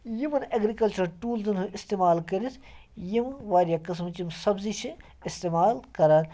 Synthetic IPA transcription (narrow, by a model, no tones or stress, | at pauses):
jimɐnɐɡɾikɐlt͡ʃɐɾʈuːlzɨnɦuist̪eːmaːlkɐɾit̪ʰjimʋaːɾijaːkɐsmt͡ʃimsɐbzit͡ʃʰi | ist̪eːmaːlkɐɾaːn